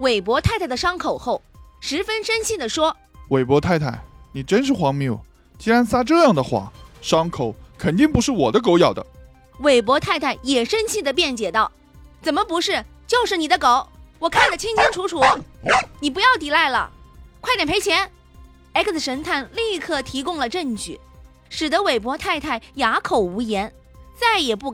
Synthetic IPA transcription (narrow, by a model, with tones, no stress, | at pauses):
we˨˩ɪpwɔ˧˥t̪ʰa˥˧ɪt̪ʰɪd̪ə˨ʂɑ˥ŋkʰo˨˩ʊxo˥˩ʊʂɻ̩˧˥fə˥nʂə˥nɕi˥˩d̪ə˩ʂwɔ˥ | we˨˩ɪpwɔ˧˥t̪ʰa˥˧ɪt̪ʰa˥˩ɪni˨˩ʈ͡ʂə˥nʂ̬ɻ̩˥˩xwɑ˧˥ŋmjo˥˩ʊ | t͡ɕi˥ɻa˧˥nsa˥ʈ͡ʂɤ˥˧jɑ˥˩ŋd̪ə˩xwa̰˥˩ʂɑ˥ŋkʰo˨˧˦ʊkʰə˨˩nt̪i˥˩ŋpu˧˥ʂɻ̩˥˩wɔ˨˩d̪ə˦k̬o˧˥ʊjɑ˨˩ʊd̪ə̰˦ | we˨˩ɪp̬wɔ˧˥t̪ʰa˥˧ɪt̪ʰa˥˩ɪjɛ˨˩ʂə˥nɕi˥˩d̪ə˩pjɛ˥˩nt͡ɕjɛ˨˩t̪ɑ˥˩ʊ | t͡sə˨˩nmə˦pu˧˥ʂɻ̩˥˩t͡ɕjo˥˧ʊʂɻ̩˥˩ni˨˩d̪ə˦ko˧˩˦ʊwɔ˨˩kʰa˥˩nd̪ə˩t͡ɕʰi˥ŋt͡ɕʰi˥ŋʈ͡ʂʰu˧˥ʈ͡ʂʰu˧˥ni˨˩p̬u˧˥jɑ˥˩ʊt̪̬i˨˩la˥˩ɪlə̰˩kʰwa˥˩jɛ˨˩npʰe˧˥t͡ɕʰjɛ˧˥n | e˥kt͡s̩˨˩ʂə˧˥nt̪ʰa˥˩˧nli˥˧kʰɤ˥˩t̪ʰi˧˥kʊ˥˧ŋlə˨ʈ͡ʂə˥˩ŋt͡ɕy̰˨˩˦ | ʂɻ̩˨˩d̪ə˦we˨˩ɪp̬wɔ˧˥t̪ʰa˥˧ɪt̪ʰa˥˩ɪja˧˥kʰo˨˩ʊu˧˥jɛ˧˥n | t͡sa˥˩ɪjɛ˨˩pu˥˩